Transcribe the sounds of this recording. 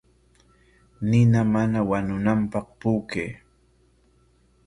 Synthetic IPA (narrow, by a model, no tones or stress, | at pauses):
nɪnamanawanʊnampɑχpuːkeː